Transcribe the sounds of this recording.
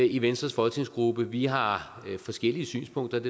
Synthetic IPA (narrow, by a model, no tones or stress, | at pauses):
iʋensd̥ʁɐsfɒ̽t͡sʰiŋsɡ̥ʁub̥əʋiɦɑ̈ | fɒ̽sɡ̥el̰iəsy̰ːnspʰɔ̽ŋ̰d̥ɐd̥e